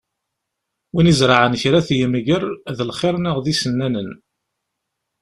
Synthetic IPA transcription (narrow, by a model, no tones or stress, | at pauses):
winizɾˤɑʕənçɾæθjəmiʝəɾˤðəlχɪɾnəʁðisənːænən